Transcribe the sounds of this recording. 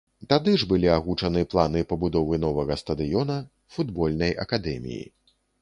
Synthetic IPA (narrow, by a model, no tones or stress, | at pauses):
t̪ad̪ɨʐbɨlʲiaɣut͡ʂɐnɨplˠanɨpɐbud̪ɔvɨnɔvɐɣɐst̪ɐd̪ɨjɔnɐ | fud̪bɔlʲnɐjɐ̰kad̪ɛmʲḭjḭ